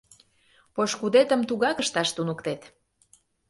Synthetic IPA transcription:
poʃkud̪et̪əmt̪uɣɑkəʃt̪ɑʃt̪unukt̪et̪

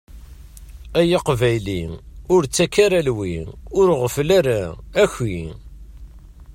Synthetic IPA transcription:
æjiqvæjliʊɾt͡sːækːaɾalwiʊɾʁəflaɾææçi

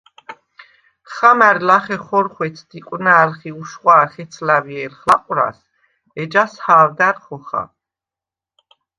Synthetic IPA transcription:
χamæɾlaχɛχɔɾχwɛt̪sʰd̪̥ikʼwnaːlχiuʃχwaːχɛt̪sʰlaviɛlχaqʼɾa̰s | ɛd͡ʒashaːld̪aɾχɔχa̰

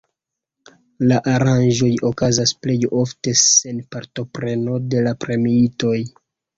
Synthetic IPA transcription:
laʔaɾanʒo̞jo̞kazasple̞jo̞fte̞se̞npaɾto̞pɾe̞no̞de̞lapɾe̞miito̞j

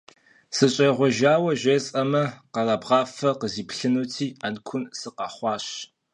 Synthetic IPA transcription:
sɨɕʼɐjʁʷɔʒaːwɐʒʷesʼɐmɐqɐrɐːbʁɑːfɐqəziːpɬɨnutʰiːankʷʰʊnsɨqɑːχʷɑːɕ

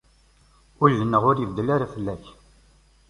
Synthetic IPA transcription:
ʊlːənːəʁʊɾjəvd̪əlaɾafəlːæç

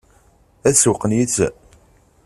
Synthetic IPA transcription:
æsuqnit͡sː

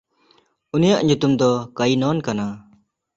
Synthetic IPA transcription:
unijaʔɲut̪umd̪ɔkajnɔnkana

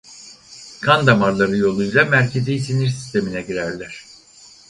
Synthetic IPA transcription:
kʰand̪amaɾlˠaɾɯjo̞lˠujlˠamæɾcʰezijsiniɾsi̥st̪ʰe̞minɛɟiɾæɾlʲæɾ̝̥

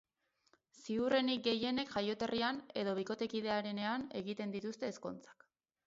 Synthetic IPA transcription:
siure̞nik̚ɡe̞je̞ne̞kʝajo̞t̪e̞riane̞ðo̞β̞iko̞t̪e̞kiðe̞aɾe̞ne̞ane̞ɣit̪e̞nd̪it̪ust̪e̞ːsko̞̰nt͡sḁk

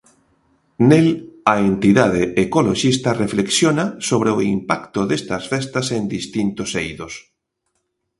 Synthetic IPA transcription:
nelaent̪iðað̞eːkoloʃist̪arefleksjonasoβ̞ɾeoimpakt̪oðest̪asfest̪asend̪ist̪int̪osejðos

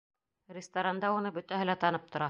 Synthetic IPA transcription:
rʲɪst̪aɾand̪ɑunɤbɵ̆t̪æɦɘlæt̪ɑnɤp̚t̪ŏɾɑ

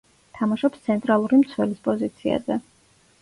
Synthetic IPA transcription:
t̪ʰamaʃɔpst̪sʰɛnt̪ʼɾalˠuɾimt̪sʰwɛlispʼɔzit̪sʰia̰zɛ

